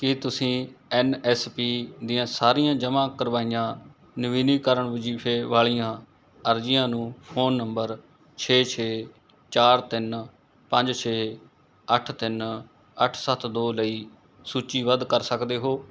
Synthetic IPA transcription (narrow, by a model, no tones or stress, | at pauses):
kɪt̪ʊsĩːɛːnɛːspiːd̪ijãːsaːɾijãːd͡ʒəmãːkəɾʋaːijãː | nɪʋiːniːkəɾəɳʋɪd͡ʒiːpʰeːʋaːɭijãː | əɾd͡ʒɪjãːnũːpʰoːnːəmbəɾ | t͡ʃʰeːt͡ʃʰeː | t͡ʃaːɾt̪ɪn | pə̃ɲd͡ʒt͡ʃʰeː | əʈʰt̪ɪn | əʈʰsət̪ʰd̪oːləiː | suːt͡ʃiːʋəd̪kəɾsəkd̪eːɦoː